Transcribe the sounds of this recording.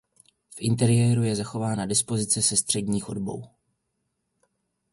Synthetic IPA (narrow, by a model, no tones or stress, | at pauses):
fʔɪnt̪ɛɾɪjɛːɾujɛzaxo̞vaːnadɪspo̞zɪt͡sɛsɛst̪r̥ɛdɲiːxodbo̞̰w